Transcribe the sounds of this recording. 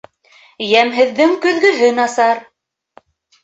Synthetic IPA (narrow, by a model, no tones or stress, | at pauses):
jæmɦɘ̆ðːɘŋkɵ̆ðɡɵ̆ɦɘnɑsɑɾ